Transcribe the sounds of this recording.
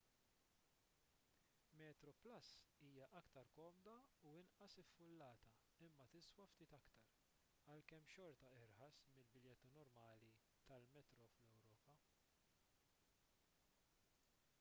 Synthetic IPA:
mɛːt̪ɾɔplɐsːiːjɐʔɐkt̪ɐɾkɔːmd̪ɐuɪnʔɐsɪfːʊlːɐːt̪ɐ | ɪmːɐt̪ɪswɐft̪ɪːt̪ɐkt̪ɐɾ | ɐlkɛmːʃɔɾt̪ɐɪɾħɐsmɪlbɪljɛt̪ːunɔɾmɐːli | t̪ɐlmɛt̪ɾɔflɛwɾɔːpɐ

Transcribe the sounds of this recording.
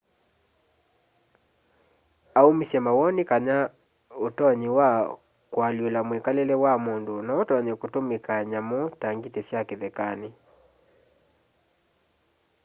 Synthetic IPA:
aumisɛmawɔnikaɲa | otɔɲiwa | kwalielamwɛkalɛlɛwamundunaɔtɔɲɛkutumikaɲamɔtaŋɡitɛsjakeðɛkani

